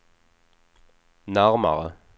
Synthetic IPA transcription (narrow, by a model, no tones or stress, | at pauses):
naʁma̰ʁə̰